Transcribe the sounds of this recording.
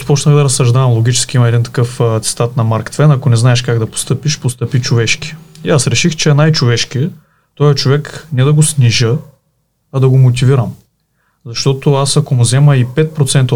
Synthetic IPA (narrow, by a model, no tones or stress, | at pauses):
pɔt͡ʃnəxd̪ɐɾɐsːɐʒd̪avɐmlˠoɡʲit͡ʃɛ̥skʲiimɐɛd̪int̪ɐ̥kɤft̪sɛ̥t̪at̪nɐmaɾkt̪vɛnɐkonɛznaɛʃkaɡd̪ɐpo̥st̪ɤpiʃpost̪ɤpit͡ʃovɛʃki̥iasɾɛʃixt͡ʃɛɛnajt͡ʃovɛʃkiɛ | t̪ɔjɐt͡ʃovɛknɛd̪ɐɡosniʒə | ɐd̪ɐɡomot̪̬iviɾɐm | zɐʃt̪ɔt̪ʊasɐkomʊzɛməipɛt̪̚pɾot̪sɛnt̪